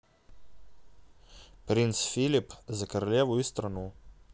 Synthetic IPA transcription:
pɾint̪sfilipzakaɾɐlʲjeːʋuist̪ɾanu

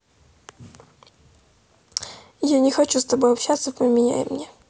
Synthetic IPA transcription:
janʲɪxɐt͡ɕust̪ɐbojɐpɕat̪sːəpəmʲɪnʲa̰jɪ̰mnʲe

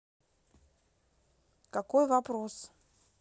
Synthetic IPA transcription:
kakojvapros

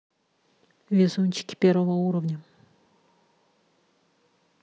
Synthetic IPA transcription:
vʲɪzunʲt͡ɕɪ̥kʲɪ̥pʲeɾvəvəuɾəvnʲə

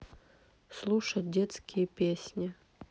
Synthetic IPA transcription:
slˠuʂɐt̚ʲdʲet̪skʲʰɪjəpʲesʲnʲɪ

